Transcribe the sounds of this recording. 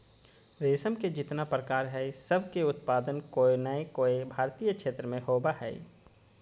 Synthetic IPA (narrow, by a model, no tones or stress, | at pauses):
ɾeːsəmked͡ʒɪt̪napɾəkaːɾɦɛsəbʱkeʊt̪paːd̪ənkoːenəekoːebʱaːɾt̪iːjəkʃeːt̪ɾəmẽɦoːbaɦɛ̰ː